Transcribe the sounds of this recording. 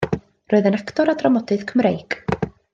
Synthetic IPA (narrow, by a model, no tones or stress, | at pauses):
rɔɨðənakʰtɔɾadrɔmɔdɨðkʰəmɾejɡ